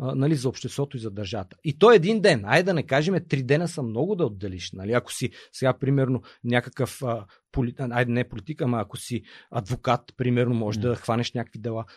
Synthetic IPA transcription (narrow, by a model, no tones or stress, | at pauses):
nɐlizɐopʃt̪ɛst̪vɔt̪oizɐd̪ɐɾʒavət̪ə̥it̪ɔɛd̪ind̪ɛnajd̪ɐnɛkaʒɛmɛt̪ɾid̪ɛnəsɐmnɔɡʊd̪ɐod̪ːɛliʃnɐliɐko̥sisɛɡapɾimɛɾnonʲakəkəfə | poliajnɛpolit̪ikəmɐːkosiɐd̪vokat̪pɾimɛɾnomɔʒɛd̪ɐxvanɛʃnʲakəkvid̪ɛlˠa